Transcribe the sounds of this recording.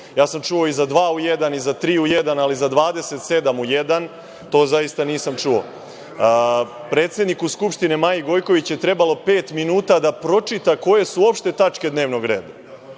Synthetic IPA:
jaːsamt͡ʃuo̞izad̪ʋaːuje̞d̪anizat̪ɾiːuje̞d̪analizad̪ʋaːd̪e̞se̞t̪se̞d̪amuje̞d̪an | t̪o̞ːzaist̪aniːsamt͡ʂuo̰ | pɾe̞ːt̪se̞d̪nikuskupʃt̪inemaːjiɡo̞jko̞ʋit͡ɕje̞t̪ɾe̞balo̞pe̞ːt̪minuːt̪ad̪apɾo̞t͡ʂit̪ako̞je̞suo̞pʃt̪e̞t̪at͡ʃke̞d̪ne̞ːʋnoɡɾe̞ːd̪a

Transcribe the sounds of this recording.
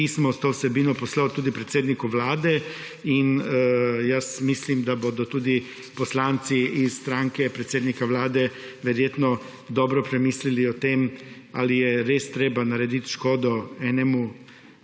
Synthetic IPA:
ismɔst̪oːwsɛbiːnɔpɔslawt̪uːd̪ipɾɛt̪seːd̪nikuʋlaːd̪ɛ | in | jasmislimd̪abod̪ɔt̪uːd̪i | pɔslant̪siisst̪ɾaŋkɛpɾɛt̪seːd̪nikaʋlaːd̪ɛ | ʋɛɾjeːt̪nɔ | d̪ɔːbɾɔpɾɛmiːsliliɔt̪em | a̰lijɛɾeːst̪ɾeːbanaɾɛd̪it̪ʃkoːd̪ɔɛnɛmu

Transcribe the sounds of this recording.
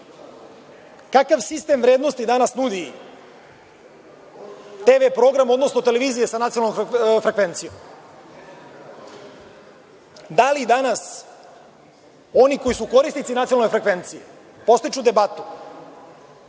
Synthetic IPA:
kakaʋsist̪e̞mʋɾe̞ːd̪no̞st̪id̪anasnud̪i | t̪eʋepɾo̞ɡɾamo̞d̪no̞snot̪e̞leʋiːzijesanat̪iolnofɾekʋe̞nt̪sijom | d̪alid̪anas | o̞niko̞jisuko̞ɾist̪it̪sinat̪ionalnoefɾe̞kʋe̞nt̪sije | po̞st̪it͡ʃud̪e̞bat̪u̥

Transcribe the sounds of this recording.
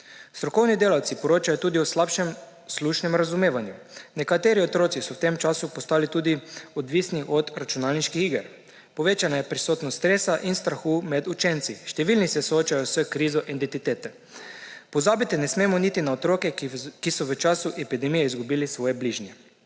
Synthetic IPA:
st̪ɾɔkɔwnid̪eːlawt̪sipɔɾoːt͡ʃajɔt̪uːd̪iuslapʃɛm | sluːʃnɛmɾazumeːʋanjunɛkat̪eːɾiot̪ɾoːtsisɔwt̪emt͡ʃaːsupɔst̪aːlit̪uːd̪iɔd̪ʋisniʔɔd̪ɾat͡ʃunaːlniʃkixiɡəɾ | pɔʋeːt͡ʃanajɛpɾisoːt̪nɔst̪ɾeːsaʔinst̪ɾaxuːmɛd̪ut͡ʃɛnt̪siʃt̪ɛʋilnisɛsooːt͡ʃajɔsʋəkɾiːzɔʔent̪it̪it̪eːt̪ɛ | pɔzaːbit̪inɛsmeːmɔnit̪inaot̪ɾoːkɛkisɔʋət͡ʃasuʔepid̪ɛmijɛizɡubiːlisʋɔːjebliʒnjɛ

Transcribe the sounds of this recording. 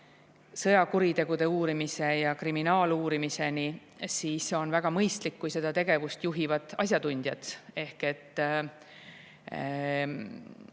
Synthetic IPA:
sɤjɑkuɾit̪e̞ɡ̥ud̪̥e̞uːɾimise̞jɑkriminɑːluːɾimise̞ni | siːso̞nvæɡ̥ɑmɤjst̪likːujse̞d̪̥ɑt̪e̞ɡ̥e̞vust̪juɦivɑd̪ˑɑs̬ʲjɑt̪unʲd̪̥jɑt̪e̞hke̞t̪ː

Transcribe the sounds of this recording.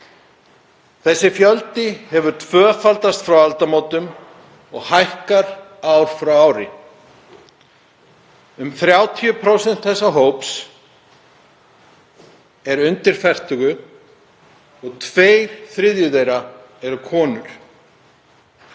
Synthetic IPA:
θɛsːɪfjœlt̪ɪhɛvʏɾ̥t̪ʰvœːfalt̪ast̪fɾawalt̪amoːwt̪ʏm | ɔɣhajhkaɾawɾ̥fɾawawɾɪ̰ | ʏmθɾjaːwt̪ʰiʏpʰɾowsɛnt̪θɛsːaɦoːwps | ɛɾʏnt̪ɪɾ̥fɛr̥t̪ʏɣʏ | ɔɣt̪ʰveːjɾ̥θɾɪðjʏðejɾa | ɛɾʏkʰɔːnʏɾ̥

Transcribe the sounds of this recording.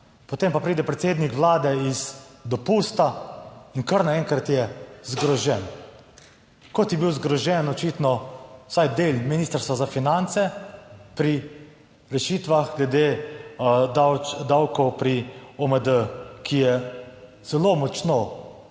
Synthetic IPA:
pɔt̪eːmpapɾiːd̪ɛpɾɛt̪seːd̪nikʋlaːd̪ɛizd̪ɔpuːst̪ainkəɾnaɛŋkɾat̪jɛzɡɾɔʒɛn | kɔt̪jɛbiwzɡɾɔʒɛnɔt͡ʃit̪nɔsajd̪eːlminiːst̪əɾst̪ʋazafinant̪sɛpɾi | ɾɛʃiːt̪ʋaxɡlɛd̪eː | wd̪awkɔwpɾiɔməd̪əkʰijɛ | z̥ɛlomɔt͡ʃno

